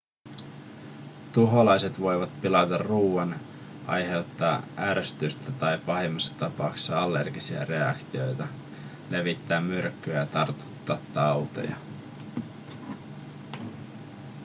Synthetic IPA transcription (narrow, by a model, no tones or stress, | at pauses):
t̪uɦo̞lɑjset̪ʋo̞jʋɑt̪pilɑt̪ɑruːɑn | ʔɑ̰jɦe̞wt̪ːɑːʔæːɾøst̪yst̪æt̪ɑjpɑɦemːɑsːɑ̥t̪ɑpɑukssɑɑlːe̞̰rɡisiɑ̰re̞ɑ̰kt̪io̞̰jt̪ɑ | le̞ʋit̪ːæːmːyrkːyjæjɑt̪ɑrt̪u̥t̪ːɑːt̪ːɑwt̪o̞̰jɑ̰